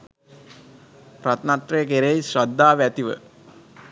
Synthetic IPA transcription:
prat̪nat̪rejək̬eɾeisɾad̪ːaːʋæt̪iʋə̰

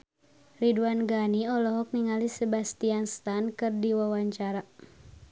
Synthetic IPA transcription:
riduanɡaniɔlɔɦɔk̚niŋalisəbast̪ianst̪ankɨrdiwawaɲt͡ʃaɾa

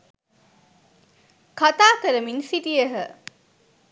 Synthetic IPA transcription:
kat̪aːkɐɾəminsiʈiɐɦə

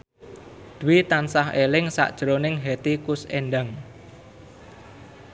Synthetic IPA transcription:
d̪̥uwit̪ansahelɪŋsa̰ʔd̥ʒ̥ɾonɪŋɦɛt̪ikʊseɳɖaŋ

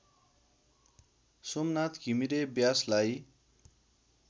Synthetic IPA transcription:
somnat̪kimiɾebjaslaj

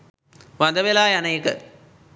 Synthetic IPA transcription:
ʋɐnd̪ɐʋelaːjɐnɐjkːɐ̰

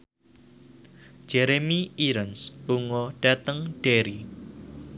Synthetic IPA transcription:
d͡ʒ̥eɾemiʔiɾənsbuŋɔɖ̥at̪əŋɖ̥eɾi

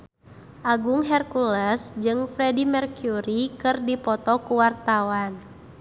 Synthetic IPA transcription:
ʔaɡuŋɦɛrkulɛsd͡ʒɨŋfɾɛdimɛrkjuɾikɨrdipɔt̪ɔkuwart̪awan

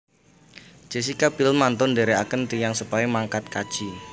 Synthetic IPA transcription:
d͡ʒ̥esikabilmant̪ʊndeɾeakənt̪ijaŋsupaimaŋkat̪̚kḁd͡ʒ̥i

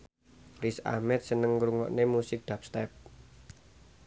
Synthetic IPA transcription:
risa̰hmɛt̪̚sənəŋɾuŋɔ̰ʔnemusɪk̚d̪̥ap̚st̪ɛp̚

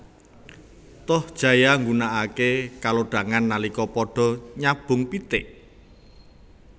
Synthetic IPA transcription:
t̪ɔhd̥ʒ̥a̤jaŋɡunaʔakekaloɖ̥ä̤ŋanːalikɔpɔɖ̥ɔ̤ɲab̥ʊ̤ŋpit̪ɪʔ

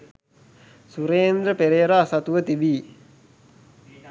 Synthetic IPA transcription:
suɾeːnd̪ɾəpeɾeɾaːsat̪uʋət̪ibiː

